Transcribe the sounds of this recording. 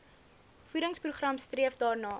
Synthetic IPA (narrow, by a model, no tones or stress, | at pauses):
fuɾəŋspruχrɐmstriəfdɑːrnɑː